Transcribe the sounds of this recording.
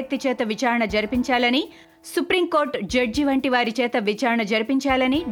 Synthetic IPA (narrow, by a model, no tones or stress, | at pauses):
ɐk̚t̪it͡ʃɛːt̪ɐʋit͡ʃaːɾɐɳɐd͡ʒɐɾipiɲt͡ʃaːlɐni | supɾimkoːɾʈd͡ʒɐɖ̚d͡ʒiʋɐɳʈiʋaːɾit͡ʃɛːt̪ɐʋit͡ʃaːɾɐɳɐd͡ʒɐɾipiɲt͡ʃaːlɐni